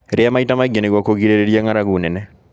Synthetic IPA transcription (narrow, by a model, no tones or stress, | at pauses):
ɾɪamaitamaɡeneɡwɔkoɡiɾeɾeɾjɛŋaɾaɡunɛnɛ